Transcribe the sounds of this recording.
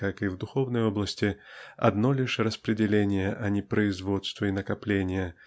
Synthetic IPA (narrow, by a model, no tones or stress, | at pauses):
kakivd̪ʊxovnəjɔblˠəsʲtʲɪɐ̰d̪nɔlʲɪʂrɐspɾʲɪdʲɪlʲenʲɪjəʔɐnʲɪpɾəizvɔt̪st̪vəinɐkaplʲenʲɪjə